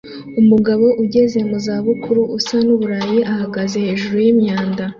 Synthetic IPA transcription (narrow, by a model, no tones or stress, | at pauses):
umuɡaβo̞ʔuɟe̞ze̞muzaːβukuɾuːsanuβuɾaːjiʔahaɡaze̞he̞ːʒuɾujimɲaːnda